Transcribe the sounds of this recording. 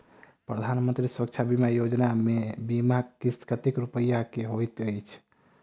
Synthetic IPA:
pɾəd̪ʱanmənt̪ɾiswək̚t͡ʃʰabimajod͡ʒnamebimakist̪kət̪ikɾupəjakeɦojt̪əjt͡ʃʰ

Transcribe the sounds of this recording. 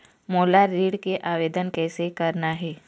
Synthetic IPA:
moːlaɾiːɽkeʔaːʋeːd̪ənkɛːsekɐɾnaɦɛː

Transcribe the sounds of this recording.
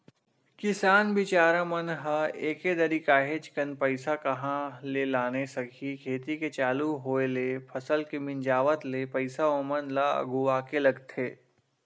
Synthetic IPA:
kɪsaːnbɪt͡ʃaːɾãmənɦəeːked̪ɐɾikaːɦet͡ʃkɐnpɐɪsakɐɦãlelaːnesɐkʰikʰeːt̪iket͡ʃaːluɦoːelepʰɐsəlkemɪ̃nd͡ʒaːʋət̪lepɐɪsaomənlaɐ̰ɡuʋaːkelɐɡt̪ʰeː

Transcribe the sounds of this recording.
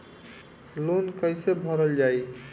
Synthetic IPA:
lonkəjsebʱɔɾəld͡ʒaj

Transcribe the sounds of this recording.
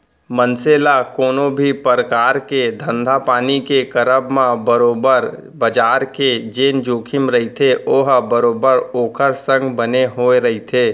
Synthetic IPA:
mənseːlakoːnobʱipəɾəkaːɾked̪ʱə̃nd̪ʱapaːnikekəɾəbmãbəɾoːbəɾ | bəd͡ʒaːɾked͡ʒeːnd͡ʒoːkʰɪmɾəɦit̪ʰeoːɦbəɾoːbəɾoːkʰəɾsə̃ŋɡbəneɦoːeɾɐɦit̪ʰeː

